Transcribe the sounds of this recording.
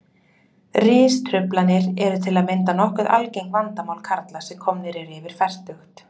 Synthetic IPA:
rɪːst̪ʰɾʏplanɪɾɛɾʏt̪ʰɪlaðmɪnt̪anɔhkʏðʔa̰lcejŋkvant̪amawlkʰaɾt̪lasɛmkʰɔmnɪɾɪɾɪvɪɾ̥fɛr̥t̪ʏxt̪

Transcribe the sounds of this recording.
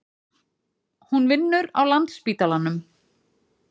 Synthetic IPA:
hunvɪnːʏɾa̰wlant̪spiːt̪alanːʏm

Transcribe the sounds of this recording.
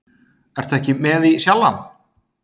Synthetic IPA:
ɛɾ̥t̪ʰɛhcɪmɛðisjalːan

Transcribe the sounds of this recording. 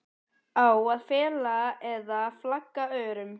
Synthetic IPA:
awaðfɛːlaɛðaflakːaœːɾʏm

